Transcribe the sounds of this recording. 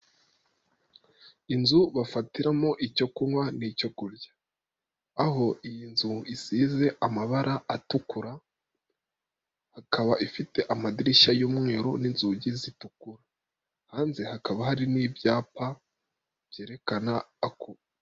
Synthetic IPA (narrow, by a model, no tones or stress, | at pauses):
inzuβafatiɾamo̞ʔico̞kunwanico̞kuɾɟaː | ɦo̞ʔijinzuisiːze̞ʔamaβaɾʔaatukuɾa | hakaβaʔifite̞ʔamadiɾiʃajoːmŋeːɾoninzuɟizitukuɾa | haːnze̞hakaβahaɾiniːbjaːpa | v̥je̞ːɾe̞kanaːko